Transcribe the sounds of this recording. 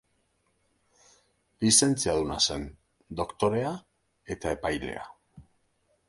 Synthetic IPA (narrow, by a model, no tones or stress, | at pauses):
lise̞nt͡siaðuna̰se̞n | d̪o̞kt̪o̞ɾe̞a | e̞t̪ae̞pajle̞̰a̰